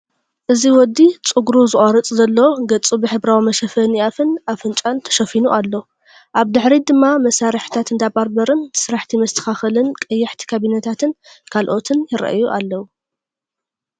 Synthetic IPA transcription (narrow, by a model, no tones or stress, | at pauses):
ʔɨziwɔd̪ːit͡sʼɨɡɾuzɨʔʼoɾɨt͡sʼzɐlːɐwoɡɐt͡sʼubɨħɨbɾawimɐʃɐfɐniʔafɨnafɨnt͡ʃʼant̪ʰɐ̥ʃɐfinuʔalːo | ʔaβd̪ɨħɾid̪ɨmːamɐsaɾɨħi̥t̪ʰat̪ɨnd̪abaɾbɐɾɨnsɨɾaħt̪ʰimɐst̪ʰɐ̥xaxɨlɨnkʼɐjːɐħt̪ʰi̥kʰaβinɐt̪ʰat̪ʰɨnkʰalʔo̞t̪ʰɨnjɪɾɐ̰ʔjuʔalːɐwu